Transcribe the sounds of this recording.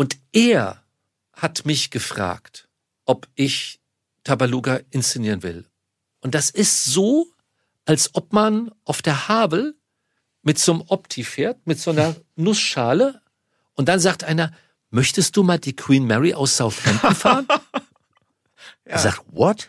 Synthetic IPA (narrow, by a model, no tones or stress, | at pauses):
ʔʊntʔeːɐ | hatmɪçɡ̥əfʁ̥a̰ːkt | ʔɔpʔɪç | tʰabaluːɡaʔɪnst͡seniːʁənvɪ̰l | ʔʊntd̥asɪstz̥oː | ʔalsʔɔpmanʔaʊfd̥eːɐhaːbl̩ | mɪtz̥oːmʔɔptʰifeːɐtmɪtz̥oːnɐnʊsʃaːlə | ʔʊnt̚d̥anzaːk̚tʔaɪnɐ | mœçtəst̚d̥uːmaːldiːkʰw̥iːnmɛʁiʔa̰ʊsz̥aʊθhɛnt̩faːʁən | zaːtvɔt